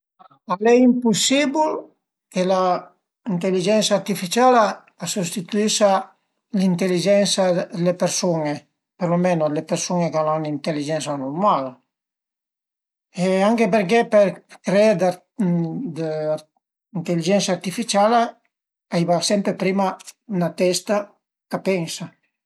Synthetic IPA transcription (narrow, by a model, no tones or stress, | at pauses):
a | alɛjimpusibul | ela | int̪elːid͡ʒɛnsart̪ifit͡ʃalaː | sust̪it̪uiʃa | lint̪elːid͡ʒɛnsalepeɾsune | peɾlomɛnolepersunekananint̪elːid͡ʒɛnsanormal | eaŋkep̬eɾk̬eperkɾed̪a | d̪ | int̪elːid͡ʒɛnsart̪ifit͡ʃala | aijvasɛmpɾepɾiːmanat̪ɛst̪a | kapɛŋsa